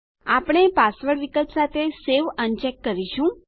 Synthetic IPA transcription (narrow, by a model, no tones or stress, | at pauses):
apɽ̃epasʋəɽʋikət̪sat̪ʰeseʋənt͡ʃɛkːəɾiʃũ